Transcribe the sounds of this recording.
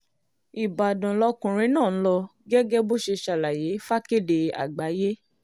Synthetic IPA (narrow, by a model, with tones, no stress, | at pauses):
i˨ba˨dã˨lɔ˧kũ˨ɾ̃ĩ˦nãː˦˨n̩˦lɔ˧ɡɛ˦ɡɛ˦bo˦ʃe˧ʃa˨la˨je˨˦fa˦ke˦˨de˨a̰˨ɡ͡ba˨˦je˦